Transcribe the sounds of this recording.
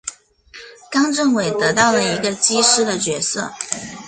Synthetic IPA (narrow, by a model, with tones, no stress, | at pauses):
kɑ˥ŋʈ͡ʂɤ˥˩ŋwe˨˩ɪt̪ɤ˧˥t̪ɑ˥˩ʊlə˩i˧˥ɡə˧t͡ɕi˥ʂɻ̩˥d̪ə˨t͡ɕɥɛ˧˥sɤ̰˥˩